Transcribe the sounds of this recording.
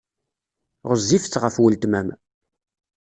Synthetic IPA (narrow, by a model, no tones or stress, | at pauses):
ʁəzːift͡sːʁəfwəlt̪mæm